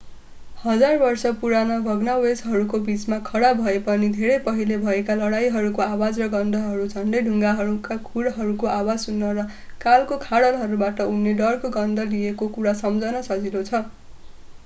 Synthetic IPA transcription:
hʌd͡zarbʌrsʌpuɾanʌbʱʌɡnawesɦʌɾukobit͡smakʰʌɽabʱʌepʌnid̪ʱeɾʌjpʌɦilebʱʌekalʌɽajɦʌɾukoawad͡zrʌɡʌnd̪ʱʌɦʌɾud͡zʱʌnɖʌjɖʱuŋɡaɦʌɾukakʰuɽɦʌɾukoʔawad͡zsunːʌɾʌ | kalkokʰaɽʌlɦʌɾubaʈʌunːeɖʌrkoɡʌnd̪ʱʌlijekokuɽasʌmd͡zʱʌnʌsʌd͡zilot͡sʰʌ

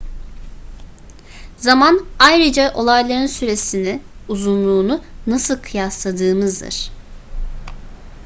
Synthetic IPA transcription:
zamanajɾɯd͡ʒaʔo̞lˠajlˠaɾɯnsyɾe̞siniuzunlˠuːnunasɯlˠkʰɯjaslˠad̪ɯːmɯzd̪ɯ̰ɾ̥

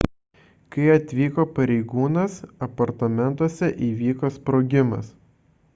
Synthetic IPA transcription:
kɐɪɐt̪ʲʋʲiːkoːpɐɾʲɛɪɡuːnɐsɐpɐɾt̪ɐmʲɛnˑt̪oːsʲɛʔiːʋʲiːkoːspɾoːɡʲɪmɐ̰s

